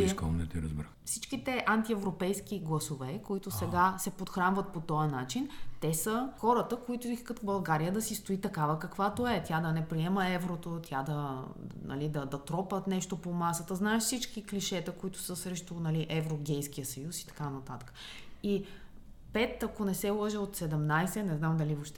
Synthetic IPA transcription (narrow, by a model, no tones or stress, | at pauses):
ikɔ̰nɛ̰t̪iɾə̰zbɾaxfsit͡ʃkit̪ɛʔant̪iɛvɾopɛjsk̟iɡlˠɐsovɛkoit̪ʊsɛɡasɛpot̪xɾanvət̪̚pot̪ɔjənat͡ʃint̪ɛsəxɔɾət̪əkoit̪ʊiskət̪bɐlˠɡaɾijəd̪ɐsist̪oit̪ɐkavəkɐkvat̪oɛt̪ʲjad̪ɐnɛpɾiɛməɛvɾot̪ot̪ʲjad̪ɐnɐ̰lid̪ɐd̪ɐt̪ɾɔpət̪nɛʃt̪opomasət̪əznaɛʃfsit͡ʃkikliʃɛt̪əkoit̪ʊ̥səsɾɛʃt̪onɐliʔɛvɾoɡ̟ʲɛjsk̟ijəsɐjusi̥t̪ɐ̥kanɐt̪at̪ə̥kə̥ | i | pɛt̪ɐkonɛsɛlˠɤʒɛot̪sɛd̪ɛmnajsɛnɛznamd̪ɐlivoʃt̪ɛ